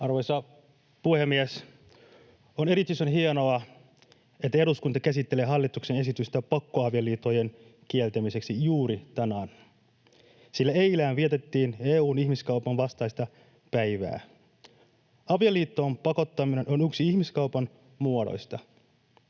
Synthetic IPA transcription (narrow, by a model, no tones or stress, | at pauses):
ɑrʋo̞jsɑ | puhemːies | one̞ɾit̪ːysonɦieno̞ɑ | et̪ːæeɾuskunt̪ɑkæsit̪ːe̞le̞ːɦɑlːit̪ukse̞ne̞sit̪yst̪æpɑkːoɑʋijɑlːiːt̪ːo̞je̞n | k̟ielt̪æmise̞ksijuːɾit̪ɑnɑn | silːæe̞jlæːnʋiet̪e̞t̪ːiːneːuːnihmiskɑupɑnʋɑst̪ɑjst̪ɑ | pæjʋæ̰ː | ɑʋijɑlːiːt̪ːo̞ːmpɑko̞t̪ːɑmine̞no̞nyksiiçmiskɑupɑn | muodo̰jst̪ɑ